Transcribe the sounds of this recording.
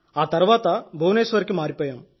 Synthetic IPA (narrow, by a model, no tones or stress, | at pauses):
aːt̪ɐɾʋaːt̪ɐbʱoːneːsuʋɐɾkɯmaːɾipoːjɐm